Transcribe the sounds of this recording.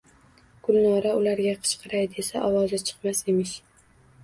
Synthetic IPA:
ɡ̥ʊlˠnɒɾaʊlaɾɡʲaqʰɨ̥t͡ʃqʰɨɾajd̪esaʔɒwɒzat͡ʃʰɨ̥qmase̞mɪʃ

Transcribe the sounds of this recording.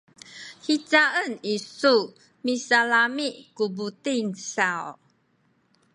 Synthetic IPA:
hit͡saənisu | misalamiʔkubutinsaw

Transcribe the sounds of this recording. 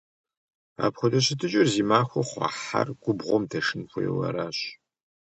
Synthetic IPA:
a̰ːpxʷɔdɐɕɪtʰɨt͡ʃʼɪrziːmaːxʷɔχʷɑ̰ːħarɡ̥ʷʊbʁʷɔmdʰɐʂɨnxʷɔjɛ̰wɐ̰ɾaːɕ

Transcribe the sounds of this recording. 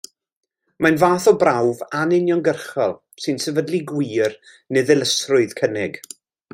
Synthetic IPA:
manvaːθɔbrawvanɪnjɔnɡərχɔlˠ | sɨnsɛvədlˠiɡwiːr | nɛðɪlˠəsrʊɨð̥kʰənɪɡ̥

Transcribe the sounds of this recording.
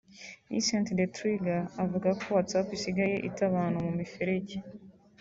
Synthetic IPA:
ḭsantdetɾiɡaːvuɡakʰoatapisiɡaje̞̰ʔḭtaβaːnhumumifeɾeɟe

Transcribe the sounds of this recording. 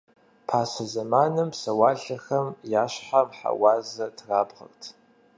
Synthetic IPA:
pʰaːsɐzɐmaːnɨmsɐwaːɮɐxɐmjaːɕħamħa̰waːzɐtʰraːbʁɐ̰rtʰ

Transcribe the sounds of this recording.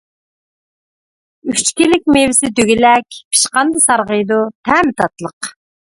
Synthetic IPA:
yt͡ʃkʲilɪk̚ʲmevɪsɪd̪øɡʲilɛkʲpʰi̥ʃqɑnd̪ɨsɑɾʁəjd̪ut̪ʰɛmɪt̪ʰɑt̪lˠəq

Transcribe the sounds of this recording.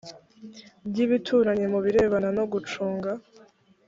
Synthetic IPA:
bɟiβitʰuːɾaɲe̞muβiɾe̞ːβanano̞ɡut͡ʃuːŋɡa

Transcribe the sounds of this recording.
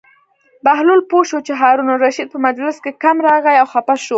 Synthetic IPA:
bahlulpoʃot͡ʃeɦɑɾunoɾaʃid̪̚pəmad͡ʒlɪskekamɾɑɣajawxapaʃo

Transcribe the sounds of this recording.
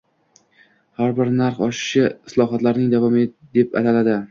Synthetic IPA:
haɾbɪɾnaɾχɒʃɪ̥ʃɪɪslˠɒɦat̪laɾnɪŋd̪avɒmed̪e̞pa̰t̪alad̪ɪ

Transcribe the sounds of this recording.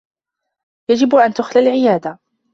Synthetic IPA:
jad͡ʒɪbʔant̪ʊxlalʕɪjaːd̪a

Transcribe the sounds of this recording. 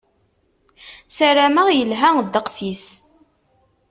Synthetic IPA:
sæɾæməʁjəlɦæŋd̪ːəqsis

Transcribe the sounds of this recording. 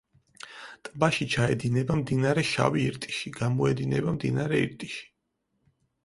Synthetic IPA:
t̪ʼbaʃit͡ʃʰaɛd̪inɛbamd̪inaɾɛʃa̰viːɾt̪ʼi̥ʃiɡamɔɛd̪inɛbamd̪ḭnaɾɛḭɾt̪ʼiʃi̥

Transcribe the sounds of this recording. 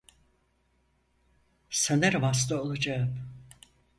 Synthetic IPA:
sanæɾvast̪aolˠad͡ʒaɯm

